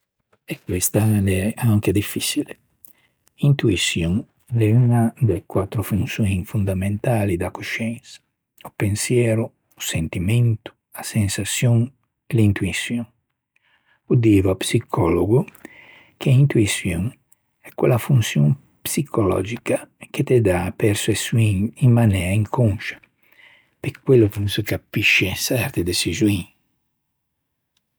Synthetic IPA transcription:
ekwest̪alɛaŋked̪ifisile | int̪uisjõŋ | lɛunad̪ekwat̪ɾofũnsjõj̃fund̪amẽnt̪alid̪akoʃɛ̃nsḁ | upẽnsjɛɾʊː | sent̪imẽnt̪ʊ̥ | asẽnsasjõŋ | klint̪uisjõŋ | ud̪ivapsikʰɔloɡʊ | keint̪uisjoŋ | ɛkwḛlafunsjõ̰ŋ | psikʰolɔ̰d͡ʒikaket̪ed̪apeɾsesuiŋiŋmanɛːaiŋkoŋʃḁ | pekwelːʊkunsekapiʃesɛɾt̪ed̪esizuĩŋ

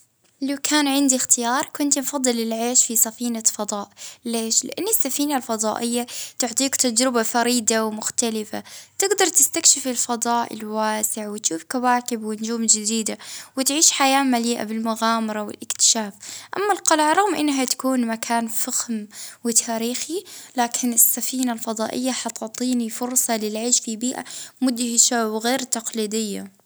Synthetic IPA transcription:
lawkʰaːnʕɪnd̪ixt̪ɪjɑːɾˤkʊnt̪nfɑd̪ˤːɨlɪlʕeːʃfisˤɑfiːnafɑd̪ˤɑːʔleːʃlɪ̰ʔanːɪsːafiːnalfɑd̪ˤɑ̰ːʔɪjːat̪ʊʕt̪ˤiːkt̪ad͡ʒɾɪbafaɾiːd̪awmʊxt̪alɪfa̰t̪ɪɡd̪ɑɾˤt̪ɪst̪akʃɪfɪlfɑd̪ˤɑːʔɪ̰lwaːsɪʕwɪt̪ʃuːfkawaːkɪbwɪnd͡ʒuːmd͡ʒɪd̪iːd̪awɪt̪ʕiːʃħajaːmaliːʔa̰bɪlmʊɣaːmɑɾˤɑwɪ̰lʔɪkt̪ɪ̥ʃaːfʔamːalqɑlʕɾˤɑɣmʔɪnːɦat̪ḁkuːnmakʰaːnfaxmwɪt̪ʰaːɾiːxilaːkʰɪnɪsːafiːnalfɑd̪ˤɑːʔɪ̰jːaħɑt̪ʊʕt̪ˤiːnifʊɾsˤɑlɪlʕiːʃfibiːʔa̰mʊd̪hɪʃawɪɣeːɾt̪ɑqliːd̪ɪjːa̰

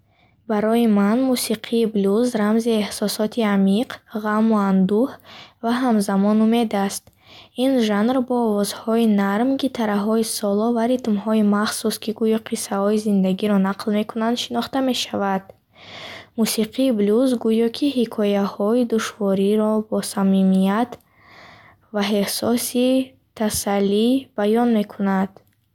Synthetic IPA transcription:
baɾɔjimanmusiqʰiːbluzɾamziehsɔsɔt̪ʰiamiqʁamuand̪uhvaɦamzamɔnume̞d̪ast̪ | inʒanrbɔːvɔzhɔinaɾmɡit̪ʰaɾaɦɔisɔlɔvaɾit̪mɦɔimaχsuskiɡujɔqʰisːahɔizind̪aɡiɾɔnaqʰlme̞kunand̪ʃinɔχt̪ame̞ʃavad̪̥ | musiqʰiːbluzɡujɔkʰihikʰɔjahɔid̪uʃvɔɾiɾɔbɔsamimijat̪ | vaɦehsɔsi | t̪ʰasalːib̥ajɔnmekʰunad̪̥

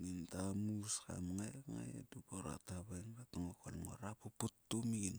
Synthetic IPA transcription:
ŋintamuska̰mŋajŋa̰ja̰dupoɾa̰taβajŋkataŋokolŋo̰ɾapoputːomiɡin

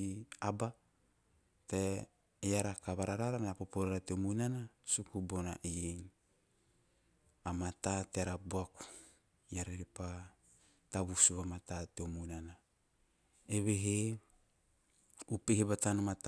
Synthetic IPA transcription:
aba | te | jaɾakaβaɾaɾaɾameapopoɾaɾateomuinanasukubonaʔijen | amatateaɾaboaku̥ | jaɾeɾepa | taβusuβamatateomunana | eβeɦe | upehebatanomat

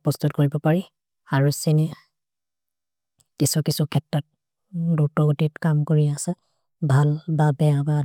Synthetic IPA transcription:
pɔst̪ut̚koɹibɔpaɹi | aɹusinɛ | kisukisukʰɛtːɹat̚ | dutɔotitkamkoɹiasɛ | bʱalbabɛjaba

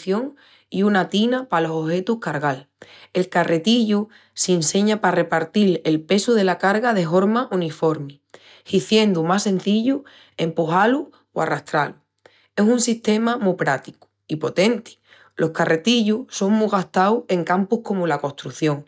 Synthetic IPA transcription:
θjo̞ŋ | iunat̪inapalo̞sohe̞t̪uhkaɾɣ̞al | e̞lkare̞t̪iʎu | sense̞ɲapare̞paɾt̪ile̞lpe̞suðe̞lakaɾɣað̞e̞ɦo̞ɾmaʔunifo̞ɾmi | hiθje̞nd̪umase̞nθiʎu | e̞mpuhalu | wa̰rast̪ɾalu | e̞sunsiht̪e̞mamupɾat̪iku̥ | ipo̞t̪e̞nt̪i̥ | lʔo̞hkare̞t̪iʎuso̞ŋmuɣaht̪awe̞ŋkampuhko̞mulako̞st̪ɾuθjo̞ŋ

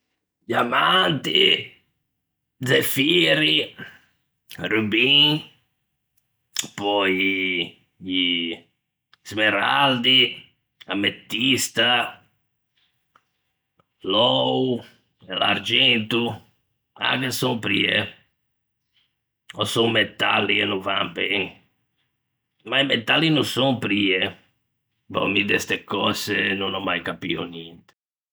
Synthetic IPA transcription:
ɟamant̪i | zefiɾi | rubĩŋ | pɔj | smeɾa̰ld̪i | amet̪ːist̪a | lɔwu | ela̰ɾd͡ʒɛnt̪u | a̰kesõŋpɾḭḛ | ɔsõŋmet̪a̰lːienũvanbɛŋ | maimet̪alinusõŋpɾie | bɔ̰mid̪ɛst̪ekɔsenonɔmajkapḭo̰nint̪e̥

